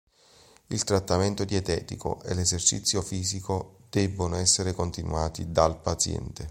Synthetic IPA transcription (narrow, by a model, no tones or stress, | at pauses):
ilt̪ɾat̪ːament̪od̪iɛt̪ɛːt̪iko̰ʔḛlezert͡ʃḭt̪sːjofiːzikod̪̥ɛbːonoɛsːeɾekont̪inw̰aːt̪id̪alpat̪sjɛ̰nt̪e